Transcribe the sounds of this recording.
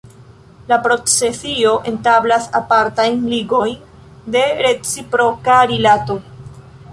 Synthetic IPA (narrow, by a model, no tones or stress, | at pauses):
lapɾo̞t͡se̞sio̞ʔe̞ntablasa̰paɾtajnliɡo̞jn | de̞ɾe̞t͡sipɾo̞kaɾilato̞